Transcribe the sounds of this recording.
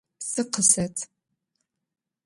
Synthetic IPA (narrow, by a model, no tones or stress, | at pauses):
sɨqəsɐtʰ